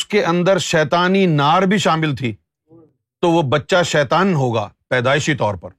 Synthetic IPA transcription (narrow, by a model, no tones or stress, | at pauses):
skeʔɐ̃nd̪əɾʃɛːt̪aːninaːɾbʱiʃaːmɪlt̪ʰiː | t̪oʋobɐtːʃaʃɛːt̪aːnɦoːɡa̰ːpɛːd̪aːɪʃit̪ɔːɾpɐɾ